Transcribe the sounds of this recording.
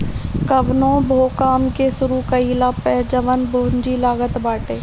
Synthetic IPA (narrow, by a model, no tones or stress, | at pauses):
kɐʋnõːbʱoːkaːmkesʊɾukɐiːlaːpɛɦd͡ʒəʋənboːnd͡ʒilaːɡət̪baːʈeː